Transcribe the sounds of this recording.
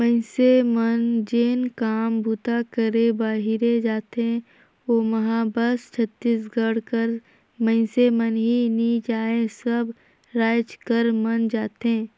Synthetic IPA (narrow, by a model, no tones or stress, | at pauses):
mə̃ɪ̃semənd͡ʒeːnkaːmbʱut̪akəɾẽbaːɦɪɾed͡ʒaːt̪ɦẽ | oːmɐɦabəst͡ʃʰət̪ːiːsɡəɽkəɾ | mə̃ɪ̃semənɦinid͡ʒaːẽsəb | ɾaːt͡ʃkəɾmənd͡ʒaːt̪ɦẽː